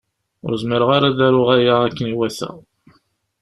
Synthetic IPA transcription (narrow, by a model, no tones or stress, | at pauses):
ʊ̰ɾzməɾəʁaɾaðæɾʊʁæjaækːəniwæθæ̰